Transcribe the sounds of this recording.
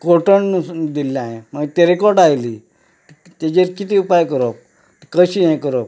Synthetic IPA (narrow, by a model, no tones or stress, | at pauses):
koʈəɳd̪ilːãɦẽməɡt̪eɾikoɾʈajli | t̪ed͡ʑeɾkit̪iːupajkəɾop̚ | kəɕiɦɛ̃kəɾop̚